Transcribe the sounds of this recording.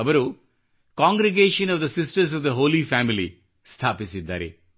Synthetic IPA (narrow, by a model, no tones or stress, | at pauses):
ɐʋɐɾu | kaːŋɡɾeɡeːʃɐnɔʋd̪ɐsisʈɐɾs̬ɔʋd̪ɐɦoːlifaːmilḭ | st̪ʰaːpisid̪ːa̰ːɾḛ